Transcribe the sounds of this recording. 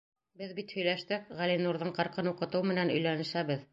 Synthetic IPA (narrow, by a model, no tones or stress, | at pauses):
bɘðbit̪hɵ̆jlæʃt̪ɘk̚ʁælinuɾðɤɴqɑ̆ɾqɤnuqɤ̆t̪ɤwmɘ̆nænɵ̆jlænɘ̆ʃæβɘð